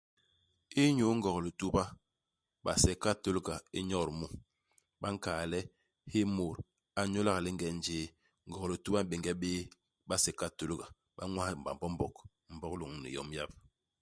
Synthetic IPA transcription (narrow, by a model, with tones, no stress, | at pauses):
i˦ɲo˦ŋ̩˦ɡɔ˨ɣli˨tu˦ba˦ | ɓa˨sɛ˨ka˦to˦lɡa˨ḭ˦ɲɔ˦˨ɾmu˦ | ɓa˦ŋ˦kaː˨lɛ˦ | he˦mo˨ɾ | a˨ɲo˦la˦ɣa˨li˦ŋ˦ɡɛ˨n˦d͡ʒeː˦ | ŋ̩˦ɡɔ˨ɣli˨tu˦ba˦m̩˦be˨ŋɡɛ˦ɓeː˦ | ɓa˦sɛ˨ka˦to˦lɡa˨ | ɓa˦ŋwa˦˨ba̰˨m˨bɔ˦m˦bɔ˨k | m̩˨˦bɔ˦klo˨ŋ˨nḭ˨jɔ̰˨m˦ja˦p̚